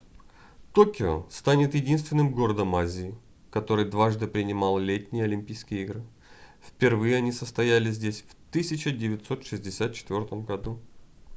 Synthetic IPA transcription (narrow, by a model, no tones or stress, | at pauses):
t̪o̞kʲɪo̰st̪anʲɪt̪jɪdʲinst̪vʲɪnːɨmɡo̞ɾəd̪əmazʲɪː | kɐt̪o̞ɾɨjd̪vaʐd̪ɨpɾʲɪnʲɪmɑlˠlʲetʲnʲɪjəɐlʲɪmʲpʲijskʲɪjəiɡɾɨ | fʲpʲɪrvɨjɪɐnʲisəst̪ɐjælʲɪzʲdʲesʲft̪ɨsʲɪt͡ɕɪdʲɪvʲɪt̪so̞t̪ʂɨzʲdʲɪsʲat̪̚t͡ɕɪ̥t̪vʲo̞rt̪əmɡɐd̪u